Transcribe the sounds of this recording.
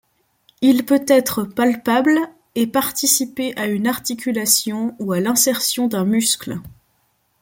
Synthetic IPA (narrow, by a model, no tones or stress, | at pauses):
ilpøt̪ɛt̪χəpalpabl | epaʁt̪isipeʔaynaʁt̪ikʲylasjɔ̃ualɛ̃sɛʁsjɔ̃d̪ɛ̃myskl